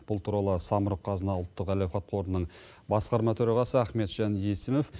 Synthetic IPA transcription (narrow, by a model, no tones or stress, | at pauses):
b̥ʊlˠt̪ʰuɾɑlˠəsɑməɾəqʰːɑzənɑʊlˠt̪ːəqælæwχɑt̪̚qʰo̞ɾnənəɴ | bɑsqɑɾmɑt̪ʰɵɾɑʁɑsəæχme̞t̪ʒ̥ɑnjesɪmof